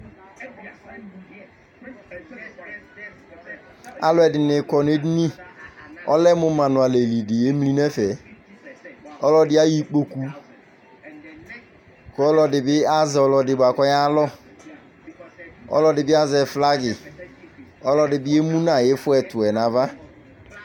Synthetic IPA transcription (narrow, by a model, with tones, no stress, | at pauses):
a̰˨lɔ˦ɛ˨dɪ˨nɪ˨kɔ˨ne˦di˦ni˦ | ɔ̰˦lɛ˦mʊ˦mã˨nʊ˨a˨le˨li˨dɪ˨e˦m˦li˦nɛ˦fɛ˨ | ɔ˦lɔ˦dɪ˦a˦ji˦k͡po˦ku˦ | kɔ˨˦lɔ˦dɪ˨bɪ˦a˦zɛ˨ɔ˨lɔ˧dɪ˨ba˨kɔ˦ja˦lɔ˦ | ɔ̰˦lɔ˦dɪ˨bɪ˦a˦zɛ˨fla˦ɡɪ˨ | ɔ˦lɔ˦dɪ˨bɪ˦e˦mũ˦nã˨jɪ˦fʊ˦ɛ˨tʊ˨ɛ˨na˨va˦